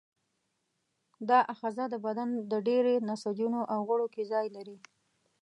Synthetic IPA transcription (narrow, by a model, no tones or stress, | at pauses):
d̪ɑʔaxɑzad̪əbad̪and̪əɖeɾenasad͡ʒunoʔawɣaɽokezɑjlaɾi